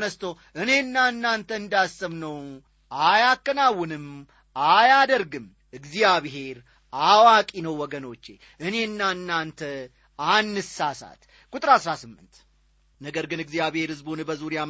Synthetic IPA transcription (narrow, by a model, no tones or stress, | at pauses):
nəst̪ʰo | ʔɨne̞ɨnːanːant̪ʰəɨnd̪asːɨmnəw | ajakːənawːɨnɨm | ajad̪əɾɡɨm | ɨɡzijaβɦe̞ɾ | awakʼinəwːɔɡəno̞t͡ʃːe | ʔɨne̞ɨnːaɨnːant̪ʰə | anːɨsasa̰t̪ | kʼuʊt̪ʼɨɾasɾasɨmːɨnt̪ | nəɡəɾɡɨnɨɡzijaβhe̞ɾhɨzbonɨbəzuɾja